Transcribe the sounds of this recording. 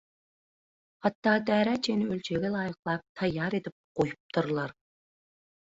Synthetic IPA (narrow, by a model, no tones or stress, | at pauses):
hɑt̪ːɑːd̪æːɾæt͡ʃʰenɪølt͡ʃʰeɡʲɛlˠɑːjəqlˠɑp̚t̪ʰɑjːɑːɾet̪ɪp̚qojʊp̚t̪ʰʊɾlˠɑɾ